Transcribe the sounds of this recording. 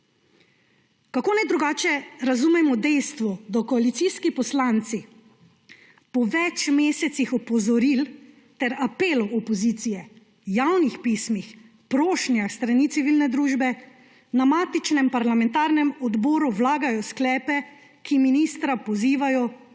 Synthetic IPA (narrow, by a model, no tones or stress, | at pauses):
kakoːnɛjd̪ɾuɡaːt͡ʃɛɾazumɛmɔd̪ɛjst̪ʋɔd̪ɔkɔalit̪siːskipɔslaːnt̪si | pɔʋɛt͡ʃmeːsɛt̪sixɔpɔzɔɾil | t̪ɛɾapeːlɔɔpɔziːt̪sijɛ | jawnixpismix | pɾoːʃnjaxst̪ɾaniːt̪iʋilnɛd̪ɾuːʒbɛ | namaːt̪it͡ʃnɛmpaɾlamɛnt̪aːɾnɛmɔd̪bɔːɾuwlaːɡajɔsklɛːpɛ | kiminiːst̪ɾapɔziːʋajɔ